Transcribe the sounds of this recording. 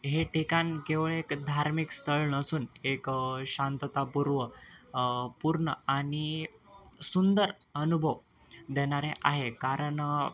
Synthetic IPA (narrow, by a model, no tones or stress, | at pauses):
ɦeʈekankeʋɭekd̪ʱaɾmikst̪ʰəɭnəsuːnekɕant̪ət̪apuɾʋə | puɾɳəaɽ̃i | sund̪əɾ | ənubʱəʋ | d̪eɽ̃aɾeʔaɦekaɾəɳ